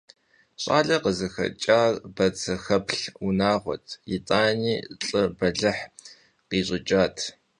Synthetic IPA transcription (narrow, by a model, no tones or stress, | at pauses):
ɕʼa̰ːɮɐqəzɨxɐ̰t͡ʃʼaːbɐt͡sʰɐxɐpɬunaːʁʷɔ̰tʰjit͡sʼaːniːɬʼɨbɐɮɨħ | qiːɕʼɪt͡ʃʼaːtʰ